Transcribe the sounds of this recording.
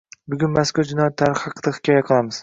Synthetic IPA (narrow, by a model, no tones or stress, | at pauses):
bʊɡʲʊnmaskʊd͡ʒɪnɒjat̪ʰːaɾχhɑqʰd̪ahɪ̥kʲʰɒjaqʰɨlˠamɪz̥